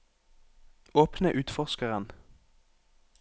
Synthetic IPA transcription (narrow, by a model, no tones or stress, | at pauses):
oːpnəʔʉːt̪fɔʁʃkəʁən